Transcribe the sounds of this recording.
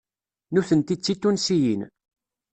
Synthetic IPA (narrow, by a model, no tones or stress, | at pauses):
nuθənt̪it͡sːit̪ːunsijin